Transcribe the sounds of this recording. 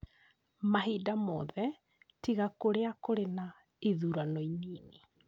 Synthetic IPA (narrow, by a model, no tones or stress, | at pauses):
maɦidamɔðɛ | tiɣakoɾeakoɾena | eðuɾanɔiniːne